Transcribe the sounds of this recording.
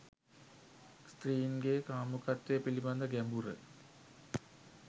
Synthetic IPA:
st̪riːnɡeːkaːmukat̪ʋejəpiliband̪əɡæmbuɾə̰

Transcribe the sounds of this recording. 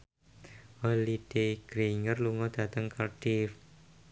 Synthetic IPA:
walid̥eɡ̥ɾeiŋərluŋɔd̪̥a̤t̪əŋkalɖ̥if

